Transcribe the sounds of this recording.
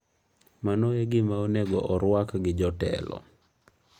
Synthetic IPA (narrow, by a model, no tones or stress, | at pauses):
manoeɡɪmaoneɡɔʔɔɾwakɡɪd͡ʒɔtɛ̰lɔ̰